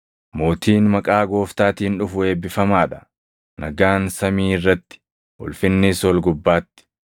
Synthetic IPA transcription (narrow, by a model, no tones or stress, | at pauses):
mo̞ːt̪iːnmɐkʼaːɡo̞ːft̪aːt̪iːnᶑʊfʊe̞ːbːɪfɐmaːᶑɐ̥ | nɐɡaːnsɐmiːɪrːɐt̪ːɪ̥ | ʔʊ̰lfɪnːɪsɔlɡʊbːaːt̪ːɪ̥